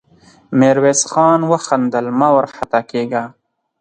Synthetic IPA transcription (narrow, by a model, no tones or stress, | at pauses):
meːɾweːsxɑːnwɐxɐnd̪ɐlmawɐɾħat̪akeːɡaː